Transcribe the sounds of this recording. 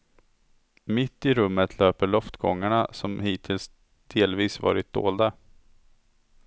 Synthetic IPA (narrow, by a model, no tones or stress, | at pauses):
mɪt̪ːɪɾɵmːət̪ʰløːpəɭɔft̪ɡɔŋːaɳasɔmhiːt̪ʰɪls | d̪̥eːlviːsvɑ̰ːɾɪt̪̚d̪̥o̰ːld̪a